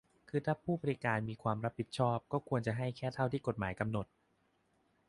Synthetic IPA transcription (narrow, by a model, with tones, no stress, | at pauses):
kʰɯː˧t̪ʰaː˥˩pʰuː˥˩ba˧ɾi˦˧kaː˧nmiː˧kʰwaː˧mɾa˦˥pʰːi˨˩t̪̚t͡ɕʰɔː˥˩p̚kɔː˥˩kʰu˧ənt͡ɕa˨˩ɦa˥˩jkʰɛː˥˩t̪ʰa˥˩wt̪ʰiː˥˩ko˨˩t̪̚maː˩˦jka˧mno˨˩t̪̚